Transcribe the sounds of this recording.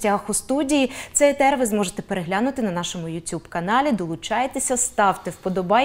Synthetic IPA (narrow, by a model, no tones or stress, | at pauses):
tʲaxʊst̪udʲijit̪sɛjt̪ɛrʋɪzmɔʒet̪ɛpeɾeɦlʲanʊt̪ɪnɐnɑʃɔmʊjʊtʲubkɐnɑlʲid̪ɔlˠʊt͡ʃɑjet̪esʲɐst̪ɑwt̪ɪwpɔd̪ɔbɑj